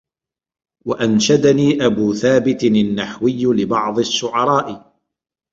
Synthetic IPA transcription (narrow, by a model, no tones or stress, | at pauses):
waʔanʃad̪aniːʔabuːθaːbɪt̪anːaħwɪjːlɪbɑʕðˤɨaʃːʊʕɑɾˤɑːʔɪ